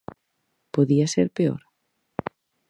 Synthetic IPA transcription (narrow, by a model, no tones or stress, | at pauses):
poðiaseɾpeo̰ɾ